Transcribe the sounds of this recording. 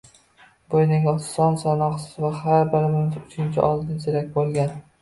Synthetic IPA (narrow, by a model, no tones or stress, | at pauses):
bojnɪŋʲɒ̥sɒnsanɒχsɪzvahaɾbɪɾɪmɪmɪzʊt͡ʃʰɪnt͡ʃʰɪʔɒlˠd̪ɪnt͡ʃ̪ʰeɾakʲbolˠɡʲan